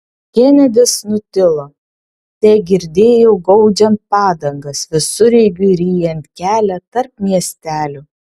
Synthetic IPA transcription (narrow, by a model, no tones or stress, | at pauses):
kʲɛnʲɛd̪ʲɪsnʊt̪ʲɪlˠoː | t̪ʲɛːɡʲɪɾʲd̪ʲeːjoɡɒʊd͡ʒʲɛnt̚pɑːd̪ɐŋɡɐsʋʲɪsʊɾʲɛɪɡʲʊɪɾʲiːjɛnʲt̪ʲkʲæːlʲɛt̪ɐɾp̚mʲiɛsʲt̪ʲæːlʲʊ